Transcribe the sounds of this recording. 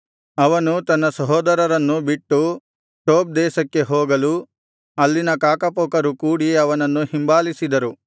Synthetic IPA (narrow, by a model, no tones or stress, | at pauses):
ɐʋɐnut̪ɐnːɐsɐɦɔːd̪ɐɾɐɾɐnːubiʈːu | ʈoːp̚d̪ɛːʃɐkːe̞ɦoːɡɐlu | ɐlːinɐkaːkɐpoːkɐɾukuːɽiɐʋɐnɐnːuhimbaːlisid̪ɐɾu